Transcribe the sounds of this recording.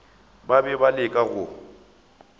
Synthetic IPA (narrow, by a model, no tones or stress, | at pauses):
babɛbalɪkʼaɣʊ